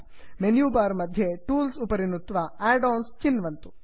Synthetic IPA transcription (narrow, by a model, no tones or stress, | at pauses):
menjuːbaːɾmɐd̪ʱjeʈuːlsupɐɾinːut̪ːʋaaːɖoːnst͡ʃinːʋɐnt̪u̥